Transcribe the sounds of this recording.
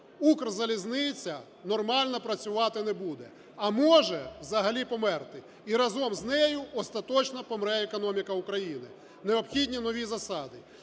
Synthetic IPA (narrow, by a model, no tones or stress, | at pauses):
ukrzɐlʲiznɪt͡sʲːɐ | nɔrmɑlʲnɔpɾɐt͡sʲʊʋɑt̪ɪnɛbud̪ɛ | ɐmɔʒɛwzɐɦɐlʲipɔmɛrt̪ɪ | iɾɐzɔmznɛjʊʔɔst̪ɐt̪ɔt͡ʃnɐpɔmɾɛɛkɔnɔmʲikɐukɾɐjinɪ | neɔpxʲidʲnʲinɔʋʲizɐsɑd̪ɪ